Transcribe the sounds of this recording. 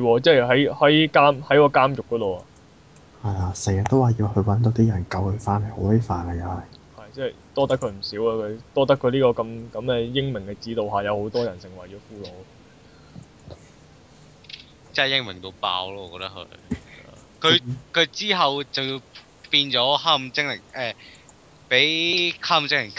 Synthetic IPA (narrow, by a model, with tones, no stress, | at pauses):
jwɔː˧t͡sɛː˥˩jɦɐ˨˥jhɐ˨˥jkaː˥mhɐ˨˥jkɔː˧kaː˥mjʊ˨k̚ːɔː˨˥t̪o˨wɐ̰˨ | hɐ˨jla˧sɛː˨˩ŋjɐ˨˩t̪o˥waː˨˩ji˧whɵ˧ɥwɐ˨˥nt̪o˧wt̪iː˥jɐ˨˩nkɐ˧whɵ˧faː˥nle˨˩ho˨˥wle˥faː˨nka˧jɐ˨˧hɐ˨˩j | hɐ˨jt͡sɛ˥˩jt̪ɔː˥t̪ɐ˥kʰɵ˧ɥm̩˨˩siː˨˥wɐ˧kʰɵ˨˧ɥt̪ɔː˥t̪ɐ˥kʰːɵ˨˧ɥliː˥kɔː˧kɐ˧mkɐ˨˧˥mɛː˧jɪ˥ŋmɪ˨˩ŋkɛː˧t͡siː˨˥t̪o˨wɦaː˨jɐ˨˧who˨˥wt̪ɔː˥jɐ˨˩nsɪ˨˩ŋwɐ˨˩t͡ʃɔː˨˧fuː˥lo˨˧˥w | t͡sɛ˥˨jɪ˥ŋmɪ˨˩ŋt̪o˧wpa̰ː˧wlɔː˥ɔː˨˧kɔ˧t̪ɐ˥khʰɵ̰˨˧˨ | kʰɵ˨˧kʰɵ˨˧ɥt͡siː˥ɦɐ˨wt͡sɐ˨wji˧w | piː˧nt͡ʃɔː˨˥haː˥m˨t͡sɪ˥ŋlɪ˨˩ŋʔɛː˨˩ | pe˨˥jkʰaː˥m˨t͡sɪ˥ŋlɪ˨˩ŋ